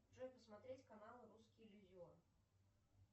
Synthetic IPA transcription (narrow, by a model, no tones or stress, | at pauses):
t͡ʂɔjʲpɐsmat̪ɾʲet͡sʲkanalˠɨɾuskʲilʲuzʲɔr